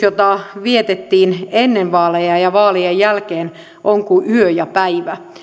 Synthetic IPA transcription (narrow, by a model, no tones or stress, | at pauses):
jot̪ɑʋiet̪et̪ːiːnenːeʋʋɑːlejɑjɑʋɑːliejjælkeːn | ʔoŋkuʔyøjɑpæiʋæ